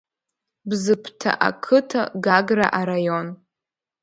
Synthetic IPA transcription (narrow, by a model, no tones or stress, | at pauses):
bzɨpʰtʰa̰ʔa̰kʰɨtʰa̰ɡaɡra̰ʔaɾajo̞n